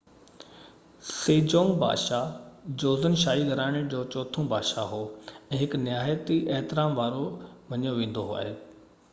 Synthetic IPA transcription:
seːd͡ʑõːŋɡba̰ːʃad͡ʑoːzənʃaːiɡʱɐɾaːɪɽ̃ɪd͡ʑoːt͡ɕɔːt̪ʰõbʱaːʃaɦoːɛ̃ːɦɪknjaːjt̪iʔɛɦt̪ɪɾaːmʋaːɾomɐɲijoʋẽːn̆d̪oɦa̰ːɦeː

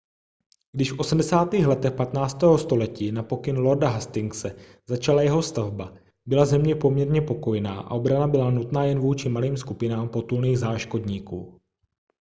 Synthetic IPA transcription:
ɡdɪʃfʔo̞smdɛsaːt̪iːxlɛt̪ɛxpat̪naːt͡st̪ɛːɦo̞st̪o̞lɛciːnapo̞kɪnlo̞ɾdaɦast̪ɪŋksɛ | zat͡ʃalajɛɦo̞st̪avba | bɪlazɛmɲɛpo̞mɲɛɾɲɛpo̞ko̞jɛnaːʔa̰ʔo̞bɾanabɪlanut̪naːjɛnvuːt͡ʃɪmaliːmskupɪnaːmpo̞t̪ulniːɣzaːʃko̞dɲiːkṵː

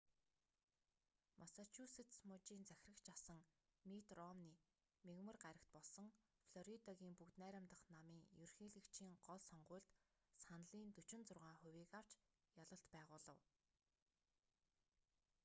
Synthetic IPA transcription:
mʔasat͡ɕʰuset̪smɔt͡ɕiːnt͡sæxʲɪ̆rə̆kt͡ɕasə̆ŋmit̪rɔmniː | meɣmə̆rɢaɾə̆kt̪̚pɔɮsɞ̆ŋ | fɮɔɾit̪ɔɣʲiːŋpukt̪næːɾʲə̆mt̪ə̆χnamiːŋjɵrxiːɮɘ̆kt͡ɕʰiːŋɢɔɮsɔɴɢʊ̟ːɮt̪sanɮiːnt̪ɵt͡ɕɪ̆nt͡sʊrʁaːχʊwiːkaw̥t͡ɕ | jaɮə̆ɬt̪pæːʁʊːɮə̆w

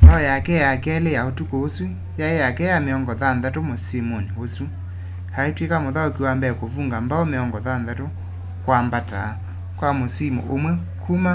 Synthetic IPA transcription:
mbaɔjakɛjakɛlejaotukoosu | jaejakɛjameɔŋɡɔðanðatomosimoniosu | haetwekamoðaokiwambɛkovuːŋɡambaɔmeɔŋɡɔðanðato | kwambataː | kwamosimṵʔomwɛ | kʰuma

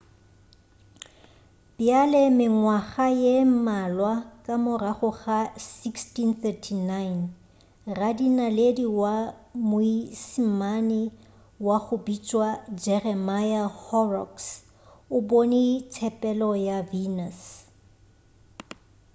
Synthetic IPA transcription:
bjalɛmɪŋwaχajem̩malwakʼamʊraχʊɣasikstinθɛtʰinajn | radinalediwamʊisim̩manɪ | waχʊbit͡ʃʼwad͡ʒɛrɛmajahɔrɔ̰ks | ʊbonit͡sʰɛpʼɛlɔjavinas

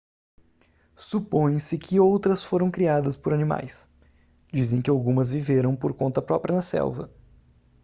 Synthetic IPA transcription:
supõj̃sɪkʰɪowt̪ɾɐsfoɾɐ̃w̃kɾiad̪ɐspoɾɐnima̰js | d͡ʒizẽj̃kɪawɡũmɐzviveɾɐ̃w̃poɾkõnt̪ɐpɾɔpɾiɐnɐsɛ̰lvɐ̰

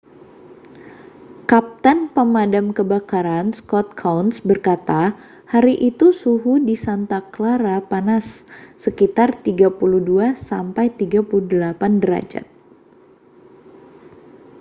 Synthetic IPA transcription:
kap̚t̪ənpəmadamkəbakaɾanskɔt̪̚kʰawnsbərkat̪a | haɾiʔit̪usuɦudisant̪aklaɾapanasːəkit̪art̪iɡapuluhduasampajt̪iɡapuluhdəlapandəɾa̰d͡ʒa̰t̪̚

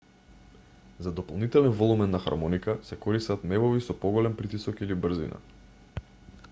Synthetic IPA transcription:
zad̪ɔpalˠnit̪ɛlɛnvɔlˠumɛnːaxa̰ɾmɔnikasɛkɔɾist̪at̪mɛvɔvisɔpɔɡɔlɛmpɾit̪isɔkilibr̩zḭna̰

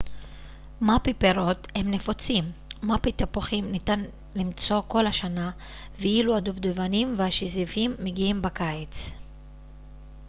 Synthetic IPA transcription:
mapipeʁo̞themne̞fot͡simːapit̪apoχimnitan | limt͡so̞ko̞lhaʃana | veiluad̪uvd̪evanimvehaʃizivimːeɡiimbakaet͡s

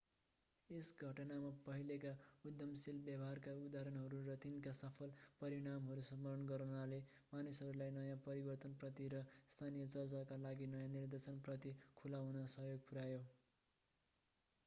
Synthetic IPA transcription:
esɡʱʌʈnamapʌɦilekaud̪jʌmsilbjabʌɦarkaud̪aɾʌnɦʌɾurʌt̪inkasʌpʰʌlpʌɾiɽ̃amɦʌɾusʌmʌɾʌnɡʌɾunale | manusɦʌɾulajnʌjãpʌɾibʌrt̪ʌnprʌt̪iɾʌst̪ʰanijʌt͡sʌrt͡sakalaɡinʌjãnird̪esʌnprʌt̪ikʰulawnʌsʌɦjoɡ̚pʰuɾajo

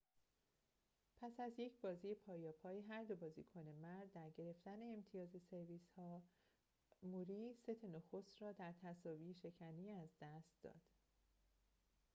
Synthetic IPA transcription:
pʰæsæzje̞cʰbɒːziːje̞pʰɒːjɒːpʰɒːjeɦæɾd̪o̞bɒːzḭːkʰone̞mæɾd̪ːæɾɟe̞ɾe̞ft̪æne̞ːmt̪ʰijɒːze̞se̞ɾviːshɒː | muɾiːset̪ʰenoxost̪ɾɒːd̪æɾt̪ʰæsɒːviːʃe̞cʰæniːæzd̪̥æst̪̚d̪ɒ̰ːd̪̥

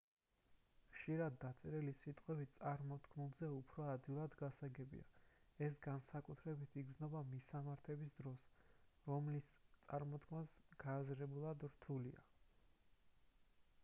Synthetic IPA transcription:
χʃiɾad̪ːat̪sʼɛɾɛlisit̪ʼqʼwɛbit̪sʼaɾmɔt̪kʰmulˠzɛupʰɾɔad̪ilˠad̪ɡasaɡɛbḭa̰ɛsɡansakʼut̪ʰɾɛbit̪ʰiɡ̪znɔbamisamaɾt̪ʰɛbisd̪ɾɔsɾɔmlist̪sʼaɾmɔt̪kʰmasɡ̥aːzɾɛbulˠad̪ɾt̪ʰulia̰

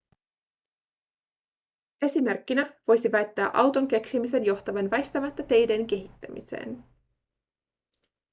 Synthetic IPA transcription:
e̞sime̞rkːinæʋo̞jsiʋæjt̪ːæːʔɑwt̪o̞ŋk̟e̞ksimis̬e̞njo̞xt̪ɑʋenʋæjst̪æmæt̪ːæt̪e̞jde̞nk̟e̞ɦit̪ːæmḭse̞̰ːn

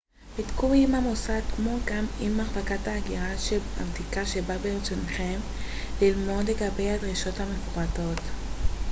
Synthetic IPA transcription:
bitkuimamosadkmo̞ɡamimːaχbakathaːɡiʁaʃea̰vtikaʃebabeʁet͡sonχe̞m | lilmo̞d̪le̞ɡabe̞jhad̪ʁiʃo̞thamefuato̞t

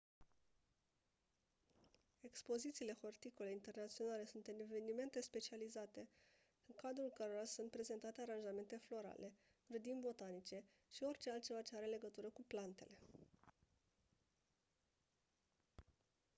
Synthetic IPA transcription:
e̞kspo̞zit̪siːle̞xo̞rt̪ikole̞int̪e̞rnat̪sijo̞nale̞sunt̪ɨneve̞nime̞nt̪e̞spe̞t͡ʃializat̪e̞ | ɨŋkad̪ɾulkəɾo̞ɾasunt̪̚pɾe̞ze̞nt̪at̪e̞aɾanʒame̞nt̪e̞flo̞ɾa̰lʔe̞ | ɡɾəd̪imbo̞t̪anit͡ʃe̞ | ʃio̞rʲt͡ʃe̞alt̪̚t͡ʃevat͡ʃe̞aɾe̞le̞ɡət̪uɾəkuplant̪e̞le̞

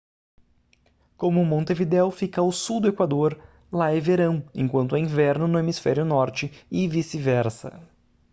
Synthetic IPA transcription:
kõmʊmõnt̪evid̪ɛwfikɐʊsuwd̪ʊekwad̪oɾ | laɛveɾɐ̃w̃ḛ̃ŋkwɐ̃nt̪ʊĩvɛɾnʊnʊemisfɛ̰ɾjʊnɔɾt͡ʃɪɪvisɪvɛɾsɐ̰

